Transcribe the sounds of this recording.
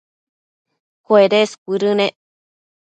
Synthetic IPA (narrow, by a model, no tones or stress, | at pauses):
koeɾeskʷiɾɨnẽʔ